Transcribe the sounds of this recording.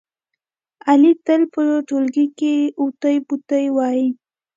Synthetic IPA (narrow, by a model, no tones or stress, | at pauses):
alit̪əlpəoʈolɡikeut̪əjput̪əjwɑji